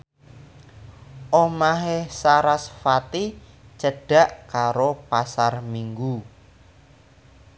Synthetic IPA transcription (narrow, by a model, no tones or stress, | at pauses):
ʔomaɦehsaɾasfat̪it͡ʃəɖ̥a̤ʔkaɾopasarmiŋɡu